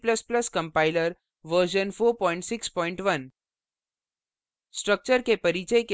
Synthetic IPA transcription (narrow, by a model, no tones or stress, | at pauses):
pləsplɐskə̃mpaɪləɾ | ʋəɾʃ̬ənfoːɾpɔɪ̃ɳʈsɪkspɔːɪɳʈʋən | sʈɾək̚t͡ʃəɾkepɐɾit͡ʃəjke